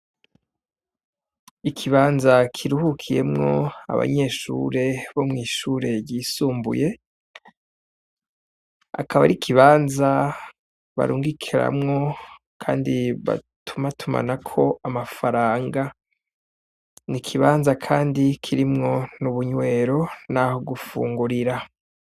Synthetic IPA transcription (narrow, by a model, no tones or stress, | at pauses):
ikʰiβaːnzakʰiɾuhukʰije̞mŋŋo̞a̰βa̰ɲe̞ːʃṵɾe̞βomŋiːʃuɾe̞jiːsuːmbṵje̞ | a̰kʰaβa̰ɾikʰiβaːnza | βa̰ɾʔuːŋɡikʰiɾa̰mŋo̞ | kʰaːndiβa̰tʰumatʰuma̰nakʰo̞amafaɾaːŋɡa | nikʰiβaːnzakʰaːndikʰiɾimŋo̞nuβuɲwe̞ːɾo̞naho̞ɡufṵːŋɡuɾiɾa